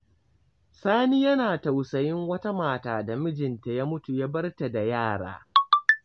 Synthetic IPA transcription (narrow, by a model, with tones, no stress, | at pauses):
saː˦ni˦jɐ˦naː˨ta˨wsɐ˨jɪ˦ŋwɐ˦ta˦maː˨taː˦da˨mɪ˦d͡ʒɪ˨nta˨ja˦mʊ˦tu˨ja˦bɐ˦rta˨da˨jaː˦˨ɽa̰ː˦